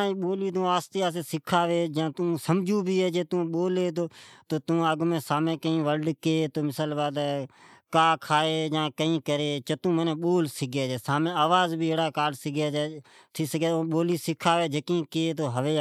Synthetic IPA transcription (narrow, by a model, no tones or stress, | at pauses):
ɓoːliːt̪̬ũːaːst̪ɪjaːs̬eːsɪkʰaːʋeːd͡ʒãːt̪ũːsəmd͡ʒʱuːbʱiːeːd͡ʒeːt̪ũːɓoːleːt̪̬oːt̪oːt̪ũːəɡmẽːsaːmẽːkəĩːʋəlɖkeːt̪oːmɪsəlbaːd̪kãːkʰaːeːjãːkəĩːkəɾeːt͡ʃət̪ũːmənẽːɓoːlsɪɡeːd͡ʒeːsaːmẽːaːʋaːzbʱiːeːɽaːkaːɖsɪɡjaːd͡ʒaː | t̪ʰiːsəɡeːoɓoːliːsɪkʰaːʋeːd͡ʒəkĩːkeːt̪̬oːɦəʋeː